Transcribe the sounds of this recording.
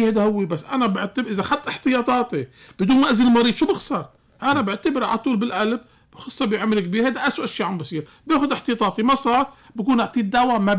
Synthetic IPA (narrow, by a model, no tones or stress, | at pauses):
hejd̪ahʊwːibasːʔa̰nabɪʕt̪ʔɪzaxat̪ˤːʔɪħt̪ɪjɑːt̪ˤɑːt̪i | b̥ɪd̪uːnmaʔazɪllmɑɾiːd̪ʃuːbɪxsɑɾˤ | ʔanabɪʕt̪ɪbɪɾʕa̰lat̪ˤuːlbɪlʔalb̚ | xɑsˤːɑbiʕamːɪlkbiːɾhajd̪aʔaswaʔʃiːʕambisˤiːɾ | bjeːxʊd̪ʔɪħt̪ɪjɑːt̪ˤɑːt̪ˤimasˤɑːɾˤbɪkuːnʔɪʕt̪ˤiːd̪ːawama